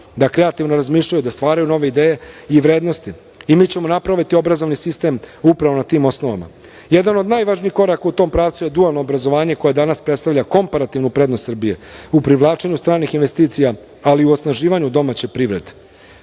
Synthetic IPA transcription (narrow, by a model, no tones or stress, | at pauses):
d̪akɾeat̪iʋnoɾazmiːʃʎajud̪ast̪ʋaːɾajuno̞ʋeid̪eːje̞iʋɾe̞ːd̪no̞st̪i | imiːt͡ɕe̞mo̞napɾaʋit̪io̞bɾazo̞ʋnisist̪e̞mupɾaʋo̞nat̪iːmo̞sno̞ʋa̰ma̰ | jed̪ano̞d̪najʋaʒniːxko̞ɾakaut̪o̞ːmpɾaːʋt̪suje̞d̪ualˠno̞ːbɾazo̞ʋaːɲe̞ko̞je̞d̪anaspɾe̞t̪st̪aʋʎako̞mpaɾat̪iʋnupɾe̞d̪nost̪sr̩bije̞upɾiʋlˠaːt͡ʃe̞ɲust̪ɾaːnixinʋe̞st̪iːt̪sija | aliuosnaʒiːʋaɲud̪o̞mat͡ɕe̞pɾiʋɾe̞d̪e̥